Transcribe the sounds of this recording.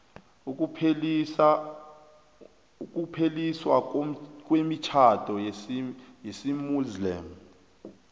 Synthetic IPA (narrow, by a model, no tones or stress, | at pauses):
uk̬ʼupʰeliswa̰k̬ʼwemit͡ʃʰatʰʼɔ | jesimuzlɛːm̩